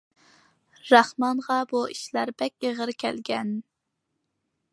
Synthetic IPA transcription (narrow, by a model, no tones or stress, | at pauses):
ɾɑχmɑnʁɑbuiʃlæɾbɛkʲeʁəɾkʲʰɛlɡʲɛn